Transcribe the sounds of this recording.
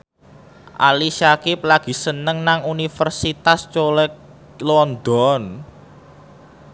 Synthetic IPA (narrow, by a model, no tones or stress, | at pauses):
ʔa̰liʃakɪp̚laɡ̥i̤sənəŋnaŋunifərsit̪ast͡ʃolɛk̚ | lɔnd̪ɔn